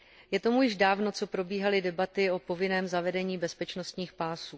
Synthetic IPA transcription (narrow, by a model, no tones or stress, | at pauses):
jɛt̪o̞mujɪʒdaːvno̞t͡so̞pɾo̞biːɦalɪdɛbat̪ɪo̞po̞vɪnɛːmzavɛdɛɲiːbɛspɛt͡ʃno̞st̪ɲiːxpaːsuː